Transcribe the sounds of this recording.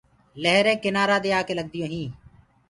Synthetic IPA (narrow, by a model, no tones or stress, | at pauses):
leɦɾẽːkɪnaːɾãːd̪eːaːkeːləɡ̚d̪ɪjõːɦĩː